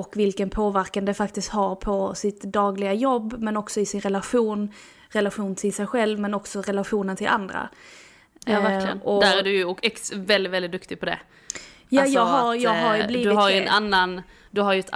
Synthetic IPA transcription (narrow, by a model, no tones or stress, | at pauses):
ɔkvɪlkənpʰoːvæɾkand̪əfakt̪ɪst̪haɾpʰɔsɪt̪d̪ɑːɡlɪɡajɔbːmɛnɔksɔɪsɪnɾɛlaɧuːn | ɾɛlaɧuːnt̪ʰɪlsɛjɧɛlvmɛnɔksɔɾɛlaɧuːnənt̪ʰɪlʔa̰nd̪ɾa̰ | væləɔd̪æɾæɖɵjɔkɛksvɛld̪ɪt̪vɛlɪt̪̚d̪ɵkt̪ɪɡ̚pʰɔd̪ɛ̰ | jajɑːɡɦaɾjɑːɡɦaɾjbliːdɪhaɾjɛnanːan | d̪ɵɦaɾjɵɛt̪